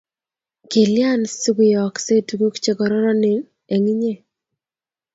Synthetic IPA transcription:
kɪ˨lja˦˨nsɪ˦ɡɪ˨jɔ˨kse˦˨tu˨ko˦kt͡ʃe˨kɔ˨ɾɔ˦ɾɔ˦nɪ˨ | e˨ŋi˦ɲe˦˨

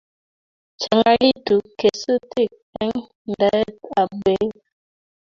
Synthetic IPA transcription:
t͡ʃa˨ŋa˦li˦tu˨ke˨sə˦ti˦˨kɛ˦ŋ | n˨da˦ta˨be˨˦

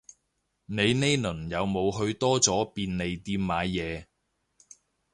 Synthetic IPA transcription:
ne˨˧jne˥jnɵ˨˩njɐ˨˧wmo˨˧wɦɵ˧ɥt̪ɔː˥t͡sɔː˨˥piː˧nne˨jt̪iː˧mːaː˨˧jːɛː˨˧

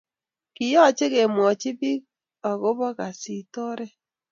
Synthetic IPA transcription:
kɪ˨jɔ˦˨t͡ʃe˦ɣe˨m˨ɔ˨t͡ʃɪ˦bi˦k | a˨ɣo˦βɔ˦ɣa˨si˨tɔ˦ɾɛ˦

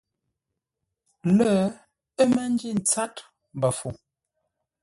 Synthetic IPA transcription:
lə˦ | ə˦mmə˦n˦d͡ʒi˦˨n̩˨t͡sa˦t | m˨bə˨fu˨

